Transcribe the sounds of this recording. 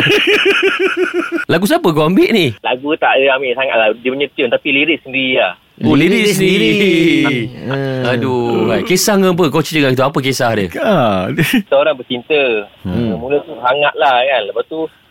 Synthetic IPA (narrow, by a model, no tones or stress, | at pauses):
laɡus̬apəkoambiʔnihlaɡut̪aʔdəamiʔsaŋa̰ʔladiməɲət̪jənt̪apiliɾɪk̚səndiɾilah | oliɾikssədiiɾii | aduajkesaŋəmp̬əkot͡ʃiəŋakit̪uapək̬esahdəa | səoɾaŋbət͡ʃint̪əəmulət̪usaŋaʔ̪̚lahkanləpat̪u